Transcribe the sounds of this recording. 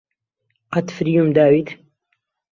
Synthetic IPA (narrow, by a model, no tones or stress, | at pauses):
qɑt̪fɾjumd̪aːwit̪